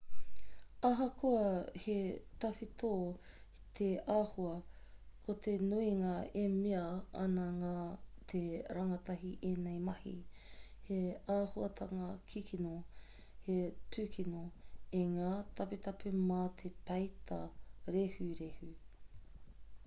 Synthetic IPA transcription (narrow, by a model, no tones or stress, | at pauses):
ɐɦɐkʰoɐhet̪ɐfit̪oː | t̪ʰeaːhuɐkʰot̪ʰenuiŋɐemiɐɐ̰nɐŋaːt̪ʰeɾɐŋɐt̪ɐɦiʔeːnejmɐhḭheaːhuɐt̪ʰɐŋɐkʰikʰino | hetʉːkʰinoeŋaːt̪ɐpet̪ɐpʰemaːt̪ʰepɐjt̪ʰɐɾehʉɾehʉ